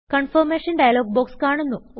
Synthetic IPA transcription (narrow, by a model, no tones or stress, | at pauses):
kɐɳfɐɾmeːʂɐnɖɐjɐloːɡ̚boːkskaːɳunːu